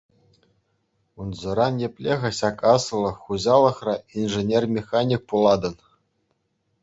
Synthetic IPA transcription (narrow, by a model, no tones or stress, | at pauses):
unzɤ̆ɾɑnjĕpʲlʲeɣʲɘ̆ɕɑkɑsɤ̆lˠɤ̆χːuʑɑlˠɤ̆χrɑinʐɘ̆nʲermʲexanʲik̚pulˠɑd̪ɤ̆n